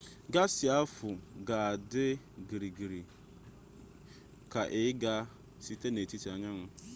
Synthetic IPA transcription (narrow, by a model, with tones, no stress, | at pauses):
ɡa˦si˨a˦fʊ˨ɡa˨a˨dɪ˦ | ɡi˨ɾi˨ɡi˨ɾi˨ | ka˨ʔɪ˦ɡa˦ | si˦te˦ne˨ti˦ti˨a˨ɲa˦ŋʷʊ˦